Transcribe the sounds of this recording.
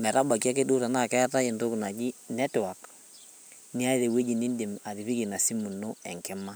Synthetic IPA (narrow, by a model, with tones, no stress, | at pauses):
mɛ˨ɾa˦ba˨ki˦a˦ke˦du˦ɾa˨na˨kɛ˦ta˦i˨ndo˦kna˨d͡ʒi˦nɛ˦ta˨k | ni˦a˦i˦ɾe˨we˦d͡ʒi˨ni˦nde˨ma˨ɾi˨βi˦ki˨na˨si˦mu˨no˦ɛ̰˨ŋkɛ˦ma˦